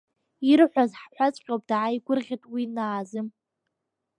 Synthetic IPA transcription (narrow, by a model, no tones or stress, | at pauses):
irħʷazħħʷat͡sʼqʲʼowpʼd̥ʕaiɡʷʊrʁʲitʼwinaːzɨm